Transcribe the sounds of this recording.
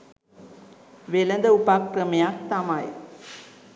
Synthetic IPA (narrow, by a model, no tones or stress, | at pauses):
ʋelɐnd̪əupakrɐmejak̚t̪amaj